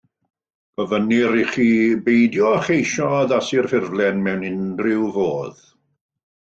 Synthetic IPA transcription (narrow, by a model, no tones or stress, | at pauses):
əvəniɾiχiːbejdjɔχejʃɔðasirfɪrvlˠɛnmɛwnɪndrɪwvoːð̥